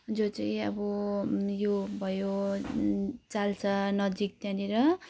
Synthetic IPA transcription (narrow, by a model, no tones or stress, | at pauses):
d͡zot͡saj̃ʌ̰bʌjobʱʌjo | t͡salt͡sʰʌnʌd͡zik̚t̪jãneɾʌ